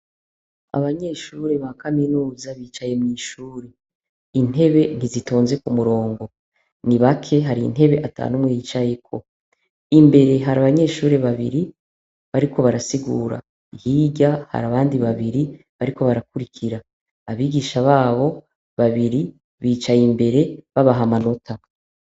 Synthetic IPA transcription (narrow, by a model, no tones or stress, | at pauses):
a̰βaɲe̞ːʃuːɾe̞βakaminuːzaβiːt͡ʃaje̞mŋiːʃuːɾe̞ | in̥ɦe̞βe̞n̥izitoːnze̞kumuɾo̞ːŋɡo̞ | niβakʰe̞ɦaɾin̥ɦe̞βe̞ʔatʰa̰numwe̞jit͡ʃaje̞kʰo̞̰ | imbe̞ɾe̞ɦaɾaβaɲe̞ːʃuːɾe̞βaβiɾi | βaɾikʰo̞βaɾasiɡuːɾa̰ | ihiːɟaha̰ɾaβaːndiβaβiɾi | βaɾiko̞βaɾakuɾikʰiɾaː | βiːɡiːʃaβaːβo̞ | βaβiɾi | βiːt͡ʃajimbe̞ɾe̞βaβaɦamano̞tʰa